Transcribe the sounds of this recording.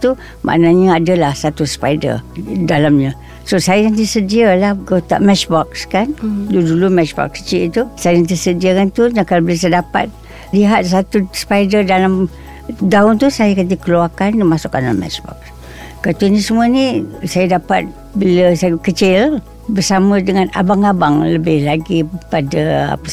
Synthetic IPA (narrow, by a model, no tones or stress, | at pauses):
t̪u | mʔa̰ʔnaɲəadəlahsat̪uspajdə̰rdalamɲə̃ | sosajajant̪isədialahɡot̪a̰ʔmɛt͡ʃbɔk̚skandudulumɛt͡ʃbɔ̰k̚sə̥t͡ʃiʔt̪usajjaŋt̪̬əsədiakant̪uɲakalobəlas̬ajədapa̰t̪̚ | liɦat̪̚sat̪uspajdədalam | daʊnt̪usajəkat̪ikəluakandimasʊka̰na̰mɛ̰t͡ʃbɔ̰k̚s | kat̪inisəmuənĩsajədapat̪̚ | biləsajəkət͡ʃɪl | bərsamə̃dəŋana̰baŋabaŋləbɪhlaɡipadəa̰pə